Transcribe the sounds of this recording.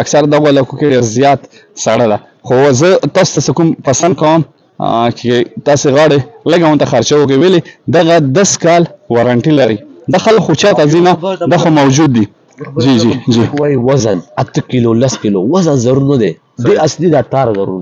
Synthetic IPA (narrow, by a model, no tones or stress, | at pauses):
aksaɾad̪aɣoalɑkokeɖeɾzjɑt̪ | saɽad̪a | xozət̪ɑso̥t̪asekumpasand̪̚kawəm | t͡ʃet̪ɑseɣɑɽeləɡawʊnt̪axaɾt͡ʃawək̬əweled̪aɣad̪askɑlwaɾaɳʈilaɾid̪axalkxot͡ʃɑt̪azinad̪axomawd͡ʒud̪ːi | d͡ʒid͡ʒid͡ʒiwaiwazanat̪əkilolaskilowazanzaɾuɾnad̪e | beaslid̪aʈ̪ɑɾazaɾṵɾ